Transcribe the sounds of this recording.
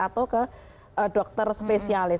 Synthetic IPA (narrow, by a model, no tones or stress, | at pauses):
at̪awkə | ʔəɖɔk̚t̪ərspesialɪ